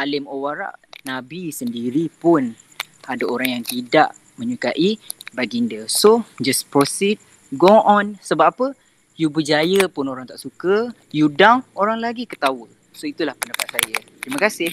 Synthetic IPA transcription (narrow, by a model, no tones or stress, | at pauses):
alɪmowaɾa̰ʔnãbisəndiɾipʊn | adaoɾaŋjaŋt̪idaʔ | mə̃ɲukaʔibaɡindəsod͡ʒaspɾosid̚ | ɡoɔnsəbap̚apə | jubəd͡ʒajəpʊnoɾaŋt̪aʔsukə | judawoɾaŋlaɡikət̪awə | soit̪ulahpənəpat̪sajat̪ɾiməkasɪh